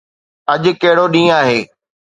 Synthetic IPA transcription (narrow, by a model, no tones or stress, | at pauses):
ɐʄ̆kɐɦɪɽoɗĩːaːɦeː